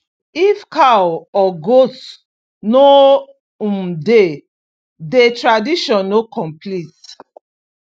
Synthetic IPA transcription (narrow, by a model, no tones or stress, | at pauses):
ifkaɔɡos | no | ũmde | detɹadiʃɔ̃nːokɔ̃mplit